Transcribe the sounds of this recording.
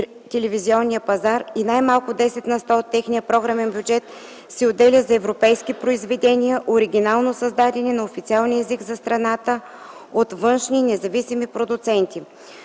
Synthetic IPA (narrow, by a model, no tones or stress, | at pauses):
t̪ɛlɛviziɔnːijəpɐzaɾinajmalˠkʊd̪ɛsɛt̪nɐst̪aot̪ːɛxnijəpɾɔɡɾamɛnbjud͡ʒɛt̪ | sɛod̪ɛlʲəzɐɛvɾopɛjskipɾoizvɛd̪ɛniəʔoɾiɡʲinalˠnosɐzd̪ad̪ɛnɛnɐofit̪sialˠniɛzikzɐst̪ɾɐnat̪ə | ot̪vɤnʃninɛzɐvisimipɾod̪ʊt̪sɛnt̪i